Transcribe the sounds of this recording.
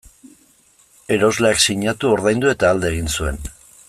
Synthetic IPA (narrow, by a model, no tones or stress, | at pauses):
e̞ɾo̞zleaksiɲat̪uo̞ɾðajnd̪ue̞t̪aːld̪e̞ːɣ̞insue̞n